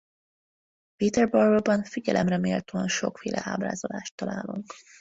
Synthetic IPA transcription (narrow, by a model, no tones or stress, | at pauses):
pit̪ɛrbɒrobɒnfiɟɛlʔɛmrɛmeːlt̪øɒnʃo̞kfeːlʔɛaːbra̰ːzolaːʃt̪ːɒlaːluŋk